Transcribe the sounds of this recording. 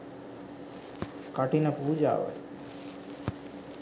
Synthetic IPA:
kaʈinəpuːd͡ʒa̰ːʋə̰

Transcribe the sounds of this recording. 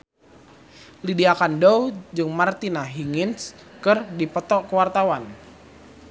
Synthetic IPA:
lidiakandɔwd͡ʒɨŋmart̪inaɦiŋɪns | kɨrdipɔt̪ɔʔkəwart̪awan

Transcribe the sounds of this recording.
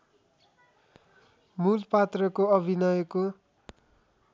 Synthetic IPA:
mulpat̪rʌkoʌbʱinʌjʌko

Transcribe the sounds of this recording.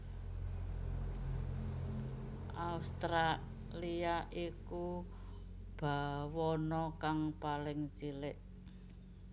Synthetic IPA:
ʔaust̪ɾa | liaʔiku | b̥a̤wɔnɔkaŋpalɪŋt͡ʃilɪʔ

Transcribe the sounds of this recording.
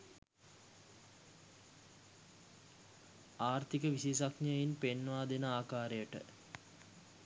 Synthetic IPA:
aːrt̪ikəʋisis̬aknajinpenʋaːd̪enəaːkaːɾejəʈə̰

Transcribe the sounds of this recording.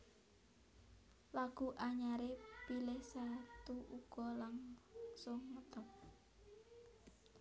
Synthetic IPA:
laɡ̥uʔaɲaɾepilɪhsat̪uʔuɡ̥ɔlaŋsʊŋːət̪əp̚

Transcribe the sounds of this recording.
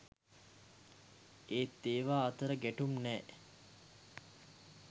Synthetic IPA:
eːt̪ːeːʋaːt̪əɾəɡæʈumnɛː

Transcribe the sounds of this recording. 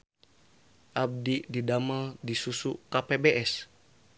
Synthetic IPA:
ʔab̚dididamadisusukapebeʔɛs

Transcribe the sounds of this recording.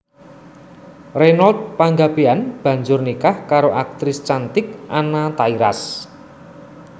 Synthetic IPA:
renɔld̪̚paŋɡab̥eanb̥a̤ɲd͡ʒʊrnikahkaɾoʔak̚t̪ɾɪst͡ʃant̪ɪk̚ʔanat̪aiɾa̰s

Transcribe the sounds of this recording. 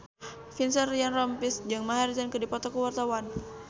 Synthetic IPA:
finsɛrrianrɔmpisd͡ʒɨŋmaɦard͡ʒankədipɔt̪ɔkəwart̪awan

